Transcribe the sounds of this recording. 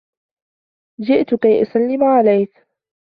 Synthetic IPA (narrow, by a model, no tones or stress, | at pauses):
d͡ʒɪʔt̪ʊkajʔʊsalːɪmʕalajk